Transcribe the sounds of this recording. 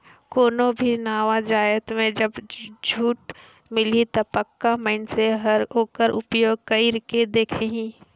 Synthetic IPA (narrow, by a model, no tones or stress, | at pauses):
koːnõbʱinaːʋad͡ʒaːjət̪mẽd͡ʒɐbd͡ʒʱuːʈ | mɪlit̪ɐpəkːaməɪnseɦɐɾɦoːkəɾʔʊpjoːɡ̚kɐɪɾked̪eːkʰeɦĩː